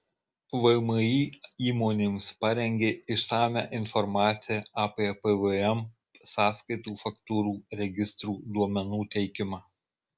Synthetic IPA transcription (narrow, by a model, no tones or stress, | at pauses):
ʋɐɪmɐjiːiːmɔːnʲɪmspɐɾʲɛŋʲɡʲeːɪʃsɑːmʲæ̰ʔɪnfɔɾmɑːt̪sʲɪjɛɑːpʲeːpɛʋəɛm | sɑːskɐɪt̪uːfɐkt̪uːɾuːɾʲɛɡʲɪst̪ɾuːd̪uɔmʲɛnuːt̪ʲɛɪkʲɪmɑː